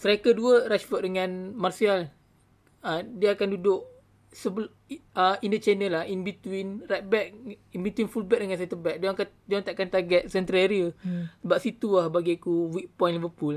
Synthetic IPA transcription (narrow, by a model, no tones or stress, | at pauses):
səɾakəduəɾat͡ʃfəʔ̚dəŋãnmarsial | ədiəakandudʊʔ | səb | əindət͡ʃanəlahinbit̪winrajt̪̚bɛk̚inbit̪winfulbɛk̚dəŋansɛt̪əbɛk̚daka | dãŋt̪aʔkant̪aɡɛt̪̚sɛnt̪ɾeɾiəsəbap̚sit̪uahbaɡikuwik̚pɔ̃jnlivəpul